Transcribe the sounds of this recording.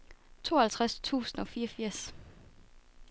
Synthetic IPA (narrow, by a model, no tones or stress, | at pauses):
t͡sʰo̝̰ːɐhælt͡sʰʁast͡sʰṵːsn̩ɒ̽fiːɐfiɐ̰s